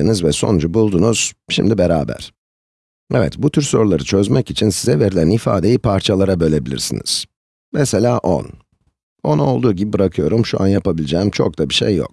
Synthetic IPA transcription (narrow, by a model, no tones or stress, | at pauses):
ɯnɯzvɛso̞̰nud͡ʒubulˠd̪unuz̥ʃimd̪ibeɾaːbæ̰ɾ̥ | ɛvɛ̰t̪but̪ʰyɾso̞ɾulˠaɾɯt͡ʃʰø̞zmɛcit͡ʃʰinsizɛve̞ɾilʲænifa̰ːd̪e̞jipʰaɾt͡ʃʰalˠaɾabø̞lʲe̞bilʲḭɾsinḭz̥ | mɛse̞lʲaːʔo̰n | o̞nao̞lˠd̪uːɟibibɯɾakʰɯjo̞ɾumʃuʔa̰njapabilʲid͡ʒɛːmt͡ʃʰo̞̰k̚t̪ʰabiʃḛjːo̰k̚